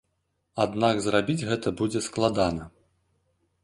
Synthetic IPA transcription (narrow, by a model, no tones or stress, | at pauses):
ad̪naɡzrabʲid͡zʲɣɛt̪ɐbud͡zʲɛsklˠad̪anɐ